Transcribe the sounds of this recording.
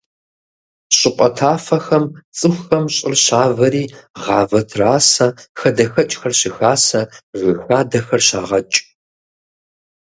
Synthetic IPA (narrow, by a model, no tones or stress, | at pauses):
ɕʼɪqʷʼɔtʰaːfɐxɐmt͡sʼɨxxɐmɕʼɪrɕaːvɐɾiːʁɑːvɐtʰraːsɐxɐdɐxɐt͡ʃʼxɐrɕɪxaːsɐʒɨxaːdɐxɐrɕa̰ːʁɐt͡ʃʼ